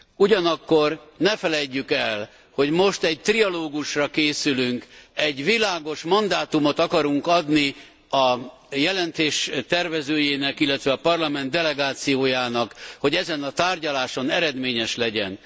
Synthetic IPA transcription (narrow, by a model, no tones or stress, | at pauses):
uɟɒnɒkːo̞rnɛfɛlɛɟːykɛl | ho̞ɟmo̞ʃt̪ɛɟ̚t̪rijɒloːɡuʃrɒkeːsylyŋkɛɟʋilaːɡo̞ʃmɒnd̪aːt̪umo̞t̪ɒkɒɾuŋkɒd̪ni | ɒ | jɛlɛnt̪eːʃt̪ɛrvɛzøːjeːnɛkilːɛt̪ʋɛɒpɒrlɒmɛnt̪ɛlɛɡaːt̪sijoːjaːnɒkho̞ɟɛzɛnɒt̪aːrɟɒlaːʃo̞nɛɾɛd̪meːɲɛʃlɛɟɛ̰n